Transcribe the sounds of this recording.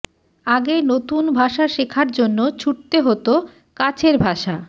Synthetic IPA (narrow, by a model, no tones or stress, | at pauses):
aɡenot̪unbʱaʃaʃekʰaɾd͡ʑonːot͡ɕʰuʈ̚t̪eɦot̪o | kat͡ɕʰeɾbʱaʃa